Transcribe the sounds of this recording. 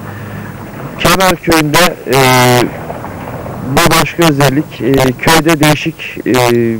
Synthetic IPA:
cʰemæɾcʰøjynd̪ɛ | bubaʃkʰaøzɛlʲːicːcʰø̞jd̪ɛd̪e̞jiʃicː

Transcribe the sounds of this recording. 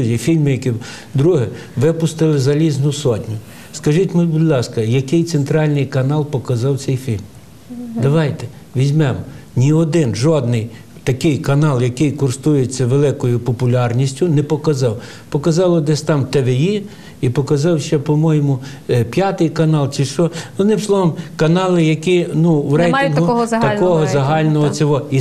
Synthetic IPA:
zʲifʲilʲmɪjɐki | d̪ɾuɦɪ | ʋɪpʊst̪ɪlˠɪzɐlʲiznʊsɔtʲnʲʊ | skɐʒitʲmɛbʊd̪ʲlˠɑskɐjɐkɪjt̪sent̪ɾɑlʲnɪjkɐnɑlˠpɔkɐzɑw̪sɛjfʲilʲm | d̪ɐʋɑjt̪ɛ | ʋʲizʲmɛmnʲiɔd̪ɪnʒɔd̪nɪj | t̪ɐkɪjkɐnɑlˠjɐkɪjkʊrst̪ujet͡sʲːɐʋelˠɪkɔjʊpɔpʊlʲɑrnʲisʲtʲʊnɛpɔkɐzɑw | pɔkɐzɑlˠɔd̪ɛsʲt̪ɑmt̪eʋeji | ipɔkɐzɑwʃɛpɔmɔjɪmʊ | pʲjɑt̪ɪjkɐnɑlˠt͡ʃiʃɔɔd̪nɪmslˠɔʋɔmkɐnɑlˠɪjɐkʲinuwɾɛjɪnɦ̪ʊt̪ɐkɔɦɔzɐɦɑlʲnɔɦɔt͡sʲɔɦɔi

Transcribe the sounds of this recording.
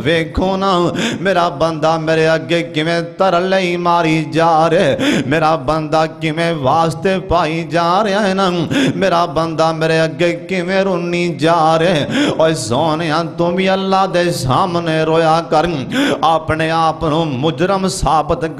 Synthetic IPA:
ʋeːkʰoːnaːmeːɾaːbənd̪aːmeːɾeːəɡeːkɪʋẽːt̪əɾleːimaːɾiːd͡ʒaːɾeːmeːɾaːbənd̪aːkɪʋẽːʋaːst̪eːpaːid͡ʒaːɾɪaːɦɛːnaːmeːɾaːbənd̪aːmeːɾeːəɡeːkɪʋẽːɾʊnːiːd͡ʒaːɾeːɔːɾsoːnejãːt̪ʊmĩːəlːaːd̪eːsaːmneːɾoːjaːkəɾaːpneːaːpnũːmʊd͡ʒɾəmsaːbət̪

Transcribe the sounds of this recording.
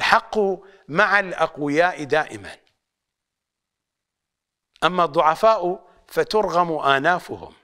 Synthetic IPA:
ħɑqːʊ | maʕalʔaqwɪjaːʔd̪aːʔɪma̰n | ʔamːad̪ˤːʊʕɑfaːʔʊ | fat̪ʊɾˤɣamʔaːnaːfʊ̰hʊ̰m

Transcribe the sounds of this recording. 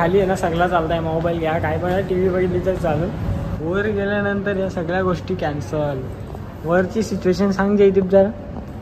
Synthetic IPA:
aliːjenasəɡlat͡salt̪ajmɔbajlɡʱeakaɦjpəɳaʈiʋiːʋəɡilid͡zəɾt͡saləːnʋəɾɡeljanənt̪əɾjasəɡɭjaɡoʂʈiːkɛnsəl | ʋəɾt͡ɕiːsit͡ɕueɕ̬ənsãŋɡd͡ʑejt̪̬iːpb̚d͡zaɾa

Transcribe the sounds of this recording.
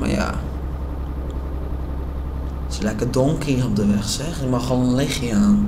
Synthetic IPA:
ma̰ja̰ | səlɛkədoŋkʰiərɔp̚dəʋɛxsɛxɪmɑxʋonənlɪxjəaːn

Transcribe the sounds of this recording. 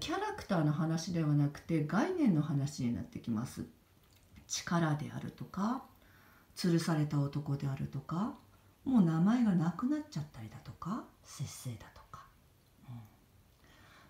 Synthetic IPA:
kʲaɾakɯ̟̥t̪aːno̞ɦanaɕid̪e̞β̞anakɯ̟̥t̪e̞ɡainẽ̞nːo̞ɦanaɕiɲ̟ina̰t̪ːe̞kʲimasɨ | t͡ɕi̥kaɾad̪e̞̰a̰ɾɯ̟̰t̪o̞ka | t͡sɨɾɯ̟saɾe̞t̪aot̪o̞ko̞d̪e̞aɾɯ̟t̪o̞ka | mo̞ːnamae̞ɡanakɯ̟natt͡ɕːat̪ːaɾʲid̪at̪o̞̥kasẽ̞se̞ːd̪at̪o̥kḁ | ɯ̟̃ɴ

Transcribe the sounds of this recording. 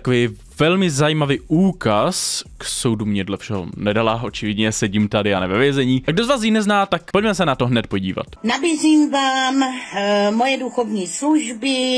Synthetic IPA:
t̪akoviː | vɛlmɪzajiːmaviːʔuːkaskso̞wdumɲɛdlɛfʃɛɦo̰nɛdalaʔo̞t͡ʃɪvɪdɲɛsɛɟimt̪adɪanɛvɛvjɛzɛɲiːɡdozvaːs̬jinɛznaːt̪akpocmɛsɛnat̪o̞ɦnɛt̪̚po̞ɟḭːva̰t̪nabiːziːmvaːm | mojɛduxovɲiːsluʒbɪ

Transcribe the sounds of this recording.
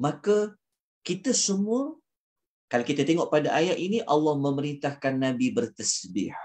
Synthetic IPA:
maka | kit̪əsəmuə | kalakit̪at̪eŋɔʔpadaʔajaʔiniʔɑlːɑhmə̃məɾint̪ahkanːãbibərt̪əsbɪ̰h

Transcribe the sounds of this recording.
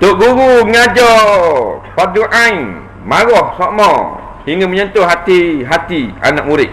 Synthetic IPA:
t̪oʔɡuɾuŋad͡ʒɔ | paduʔãi | maɣɔhsɔʔmɔ | hiŋəməɲənt̪ʊɦat̪iɦat̪ia̰nak̚muɾɪʔ̚

